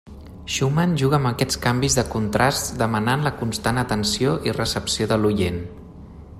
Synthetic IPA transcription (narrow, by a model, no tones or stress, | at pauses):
ʃumanʒuɣəːməkɛt͡skambizðəkunt̪ɾast̪d̪əmənanləkunst̪anət̪ənsioʔirəsəpsioðəlujen